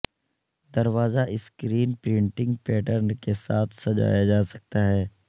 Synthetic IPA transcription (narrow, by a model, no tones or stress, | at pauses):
d̪ɐɾʋaːzaʔɪskɾiːnpɾɪ̃ɳʈɪ̃ŋɡ̚pɛːʈəɾnkesaːt̪ʰsɐd͡ʒa̰ːjad͡ʒaːsɐ̥k̚t̪aɦɛː